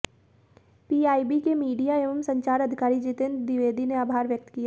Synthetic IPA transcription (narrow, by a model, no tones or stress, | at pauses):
piːaːibikemiːɖijaeːʋəmsə̃ɲt͡ʃaːɾɐd̪ʱɪkaːɾid͡ʒit̪ɪnd̪ɪʋeːd̪ʱineaːbʱaːɾʋjək̚t̪kijaː